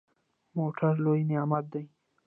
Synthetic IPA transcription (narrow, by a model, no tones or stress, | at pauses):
moʈʰaɾlojnejamat̪̚d̪aj